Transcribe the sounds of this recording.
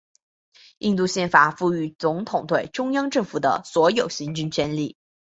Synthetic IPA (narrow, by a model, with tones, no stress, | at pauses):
i˥˧nt̪̬u˥˧ɕjɛ˥˩nfa˨˩fu˥˩y˧˥t͡sʊ˧˥ŋt̪ʰʊ˨˩ŋt̪we˥˩ɪʈ͡ʂʊ˥ŋjɑ˥ŋʈ͡ʂɤ˥˩ŋfu˨˩d̪ə̰˦swɔ˧˥jo˨˩ʊɕi˧˥ŋt͡ɕy˥˧nt͡ɕʰjɛ˥nli˥˩